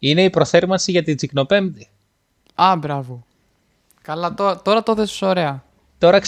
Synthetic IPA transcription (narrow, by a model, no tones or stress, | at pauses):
ine̞ipɾo̞θe̞ɾmɐsiʝɐt̪id͡zikno̞pe̞md̪i | ɐbɾɐvo | kɐlɐt̪ot̪o̞ɾɐt̪oθessoɾeɐ | t̪o̞ɾɐks